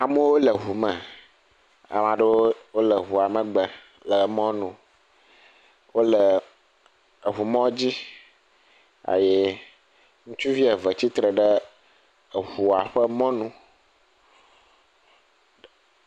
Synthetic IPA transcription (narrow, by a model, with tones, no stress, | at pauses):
a˨mə˦wo˦lə˨ɦu˨mə̃˨ | a̰˨mã˨ɖə˦wo˦wo˦lə˨ɦu˨a˨mə̃˨ɡ͡bə˨ | lə˨mɔ̃˦nũ˨ | wo˦lə˨ | ə˨ɦu˨mɔ̃˦d͡ʑi˦ | a̰˨je˦ | ŋũ˦t͡ʃu˦vi˦e˨və˨t͡ɕi˦t̪ɾə˨ɖə˦˨ | ɦu˨a˨ɸə˦mɔ̃˦nũ˦